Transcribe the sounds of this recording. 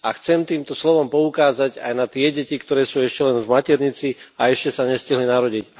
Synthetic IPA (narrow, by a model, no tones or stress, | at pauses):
axt͡sɛmt̪iːmt̪ɔslɔʋɔmpɔukaːzaɟa̰jnat̪ɪɛɟɛcikt̪ɔɾɛːsuːɛʃcɛlɛnvmacɛɾɲit͡siaɛʃcɛsaɲɛsciɦlinaɾɔɟic